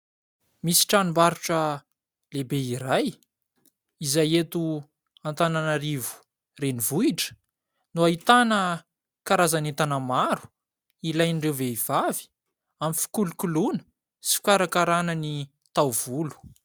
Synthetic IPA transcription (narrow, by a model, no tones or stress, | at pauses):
misi̥ʈ͡ʂanimbaɾuʈ͡ʂə | lebeiɾaj | izajet̪u | ant̪ananaɾivu̥ | renivuiʈ͡ʂə̥ | nuait̪anə | kaɾazanet̪anamaɾu̥ | ilajnɖ͡ʐewveiv̥avi̥ | amifi̥kulukulunə̥ | si̥fi̥kaɾakaɾanəni | t̪awv̥ulu̥